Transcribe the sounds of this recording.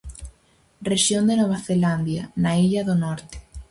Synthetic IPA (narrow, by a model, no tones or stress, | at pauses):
reʃjond̪enoβ̞aθeland̪janaiʎɐðonɔɾt̪ɪ̥